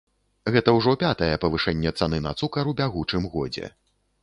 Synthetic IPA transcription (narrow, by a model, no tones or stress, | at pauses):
ɣɛt̪ɐwʐɔpʲat̪ɐjɛpɐvɨʂɛnʲːɛt̪sanɨnɐ̰t̪sukɐɾwbʲaɣut͡ʂɨmɣɔd͡zʲɛ̰